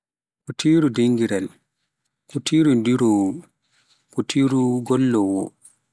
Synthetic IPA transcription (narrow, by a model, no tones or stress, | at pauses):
kutʰiːɾudeŋɡiɾɛl | kutʰiːɾundiɾɔwɔ | kutʰiːɾuɡɔlːɔwɔ̰